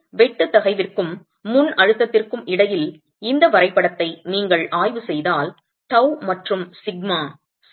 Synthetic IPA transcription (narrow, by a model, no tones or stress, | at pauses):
ʋɛʈːɯt̪ːɐɣɐɪʋɪrkɯmː | ʊnɐɻɯt̪ːɐt̪ːɪrkɯmɪɽɐjɪl | ɪnd̪ɐʋɐɾɐɪpːɐɽɐt̪ːɐɪniːŋɡɐɭʔaːjʋɯsɛjðaːl | t̪ɐwmɐʈrɯmsɪɡ̚maː